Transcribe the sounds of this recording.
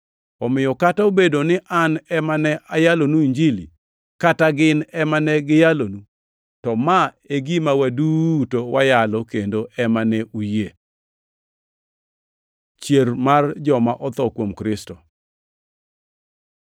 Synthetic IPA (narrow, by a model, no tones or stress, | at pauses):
ɔmɪjɔkataobedonɪʔanɛmanɛʔajalonuiɲd͡ʒilḭ | kataɡɪnɛmanɛɡɪjalonu | tɔma | eɡimawadutowajalɔkendoʔɛmanɛʔuje | t͡ʃjermard͡ʒɔmaʔɔt̪ɔkwomkɾɪstɔ